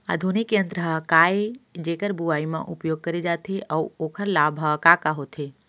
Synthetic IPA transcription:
a̰d̪ʱunikjə̃nd̪ɾəɦəkaːed͡ʒeːkəɾbuaːimḛ̃ʔʊpjoːɡ̚kəɾed͡ʒaːt̪ʰeʔəuoːkʰəɾlaːbʱɦəkakaɦoːt̪ʰe

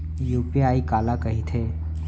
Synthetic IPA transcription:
juːpiaːikaːlakɐɦit̪ʰeː

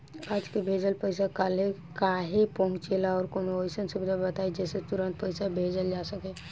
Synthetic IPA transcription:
aːd͡ʒkebʱeːd͡ʒəlpəɪsakalekaɦepəɦʊ̃t͡ʃelaɔːɾkoːnoosənsʊbid̪ʱabət̪aːid͡ʒɛːset̪ʊɾə̃nt̪̚pəɪsabʱeːd͡ʒəld͡ʒasəke

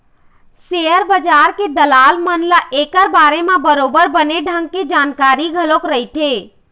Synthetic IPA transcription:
seəɾbəd͡ʒaɾked̪əlaːlmənlaʔekəɾbaːɾemẽbəɾobəɾbəneɖʱə̃ŋɡ̚ked͡ʒaːnkaɾiɡʱəlokɾəɦit̪e

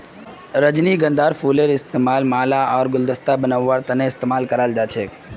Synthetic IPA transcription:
ɾəd͡ʒniɡə̃nd̪ʱaːɾpʰuːleɾɪst̪eːmaːlmaːlaɔːɾɡʊld̪əst̪abənaʋːaɾt̪əneɪst̪eːmaːlkəɾaːld͡ʒaːt͡ʃʰeː

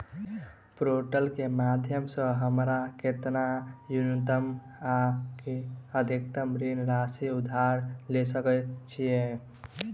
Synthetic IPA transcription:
pɾoʈəlkemad̪ʱjəmsə̃ɦəmɾakeɾt̪najunt̪əm | akeəd̪ʱik̚t̪əmɾinɾasiud̪ʱːaɾlesəkɛt͡ʃʰije

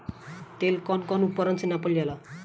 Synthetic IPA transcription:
t̪elkɔnkɔnupːəɾʌnt͡sinapəliala

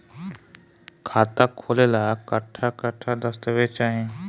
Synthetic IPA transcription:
kʰaːt̪akʰoːlelaːkəʈʰːakɐʈʰːad̪əst̪əʋeːt͡ʃaːɦẽː

